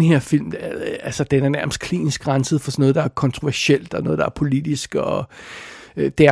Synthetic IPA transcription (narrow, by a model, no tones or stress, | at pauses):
nhe̝ɐ̰fil̰mælsəd̥enæɐnæɐməsd̥̚kʰlḭːnisɡ̥ʁɑ̈nsəð̩ˠfɒ̽sɒnːɔ̽ð̞̥ˠɑ̈æɐkʰɒ̽nt͡sʰʁo̝ʋæɐɕel̰d̥ɒ̽nɔ̽ːðˠd̥ɑ̈æɐpʰo̝lid̥isɡ̥ɒ | d̥eæ